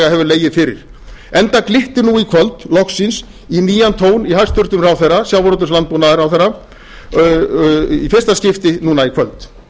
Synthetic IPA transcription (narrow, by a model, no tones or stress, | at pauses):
aɦɛvʏɾleːjɪðfɪɾɪ̰ɾ̥ | ɛnt̪aklɪht̪ɪnuikʰœlt̪lɔksɪns | iniːjant̪ʰoːwnihajst̪ʏɾt̪ʏmɾaːwθerːasjawvɾɔt̪ʏslant̪punaðɪɾawθeɾa | ifɪr̥st̪ascɪft̪ɪnuːnaikʰvœlt̪